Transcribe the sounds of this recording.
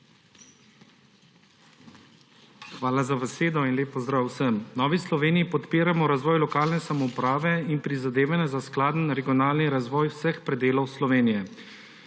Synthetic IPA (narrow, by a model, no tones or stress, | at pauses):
xʋaːlazabɛseːd̪ɔinlʲeːpːɔzd̪ɾaːwsəmnɔːʋislɔʋeːnijipɔt̪peːɾamɔɾazʋɔːjlɔkaːlnɛsamɔupɾaːʋɛinpɾizad̪eːʋanjɛzasklaːd̪n̩ɾɛɡijɔnaːlniɾazʋɔːjwsəxpɾɛd̪eːlɔwslɔʋeːnijɛ